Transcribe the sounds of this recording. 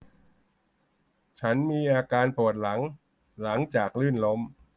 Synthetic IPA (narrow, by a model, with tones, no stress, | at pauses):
t͡ɕʰa˦˥nmiː˧ʔaː˧kaː˧npu˨˩ət̪̚la˩˦ŋ | la˩˦ŋt͡ɕaː˨˩k̚lɯ˥˩nlo˦˥m